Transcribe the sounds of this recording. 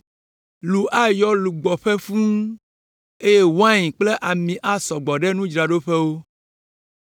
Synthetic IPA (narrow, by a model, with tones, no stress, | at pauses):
lu˨ʔa˦jɔ˦lu˨ɡ͡bɔ˨ɸe˦fũ˦ | e˦je˦wa˦ɲĩ˨k͡ple˦ʔa˨mĩ˨ʔa˦sɔ˨ɡ͡bɔ˨ɖɛ˦nũ˦d͡ʒɾa˨ɖo˦ɸɛ˦wo˦